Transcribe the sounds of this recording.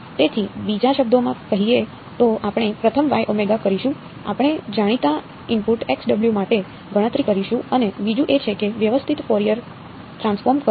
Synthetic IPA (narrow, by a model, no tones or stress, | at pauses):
t̪et̪ʰibid͡ʒaʃəb̚d̪omãkəɦie | t̪oapɽ̃epɾət̪ʰəmʋajʔomeɡakəɾiʃũ | a̰pəɽ̃ed͡ʒaɽ̃it̪a | impuʈeksɖəbljumaʈe | ɡʱəɽ̃ət̪ɾikəɾiʃũənebid͡ʒũʔet͡ʃʰekeʋjəʋəst̪ʰit̪foɾijəɾ | ʈɾãnsfoɾmkə